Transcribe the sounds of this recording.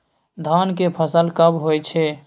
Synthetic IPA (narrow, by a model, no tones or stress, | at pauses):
d̪ʱankepʰəsəlkəbɦojt͡ʃʰɛ